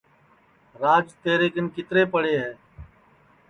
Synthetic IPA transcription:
ɾaːd͡ʒt̪eːɾeːkənkɪt̪ɾeːpəɽ̤eːɦeː

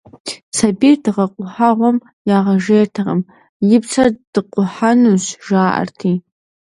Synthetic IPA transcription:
t͡sʰabidʁaqʷʼʊħaʁʷam | jaʁaʐejrtʰaʁə̰m | jɪpʰt͡sʰad̥ɨqʷʼʊħanuɕʒaːʔa̰rtʰi

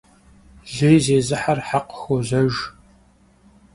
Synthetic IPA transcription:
ɮejzeːzɨħarħaqə̥xoʑɐʒ

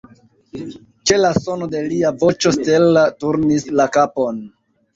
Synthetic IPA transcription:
t͡ʃe̞laso̞node̞liavo̞t͡ʃo̞ste̞latuɾnislakapo̞n

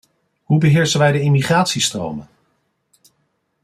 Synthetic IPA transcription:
ɦubəɦɪːɹsənʋɛjdəɪmiχraːtsistro̰wmən

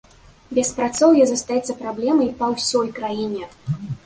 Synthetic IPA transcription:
bʲɛspɾat̪sɔwjɛzɐst̪ajɛt̪sːɐpɾablʲɛmɐjpɐwsʲɔjkɾajinʲɛ

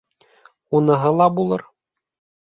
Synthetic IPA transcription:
unɤ̆ɦɤlˠɑbulˠɤɾ

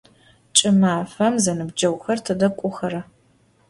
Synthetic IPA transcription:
t͡ʃʼɪmaːfɐmzɐnɨbd͡ʒɐwxɐrtʰɐdɐkʷʼʊxɐɾɐ

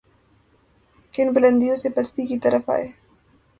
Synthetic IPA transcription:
kɪnbʊlə̃nd̪ijõsepɐst̪ikit̪ɐɾəfa̰ːeː

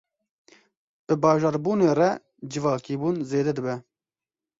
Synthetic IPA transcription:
b̥ɨbɑːʒɑːɾbuːneːrɛ | d͡ʒɨvɑːkiːbuːnzeːd̪ɛd̪ɨbɛ

